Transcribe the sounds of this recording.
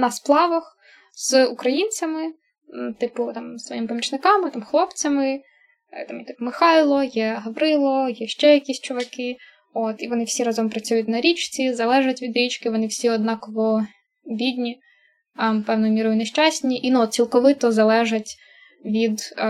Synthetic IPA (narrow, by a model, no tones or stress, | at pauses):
nɐsplˠɑʋɐx | z̥ukɾɐjinʲt͡sʲɐmɪ | t̪ɪpʊt̪ɑmsʋɔ̰jimɪpɔmʲit͡ʃnɪkɑmɪt̪ɑmxlˠɔpt͡sʲɐmɪ | t̪ɑmjɛt̪ɪ̥pʊmɪxɑjlˠɔjɛɦɐʋɾɪlˠɔjɛʃt͡ʃɛjɐkʲisʲt͡ʃɔʋɐkɪ | ot̪iʋɔnɪwsʲiɾɑzɔmpɾɐt͡sʲujʊtʲnɐɾʲit͡ʃt͡sʲizɐlˠɛʒɐtʲʋʲid̪ɾʲit͡ʃkɪʋɔnɪwsʲiɔd̪nɑkɔʋɔ | bʲid̪ʲnʲi | mpɛwnɔjʊmʲiɾɔjʊneʃt͡ʃɑsʲnʲiʔinuɔt̪t͡sʲilˠkɔʋɪt̪ɔzɐlˠɛʒɐtʲ | ʋʲid̪